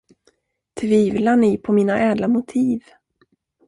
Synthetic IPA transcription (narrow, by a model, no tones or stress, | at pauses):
t̪ʰviːvlaɳɪpʰɔmiːnaʔɛːd̪lamʊt̪ʰiːv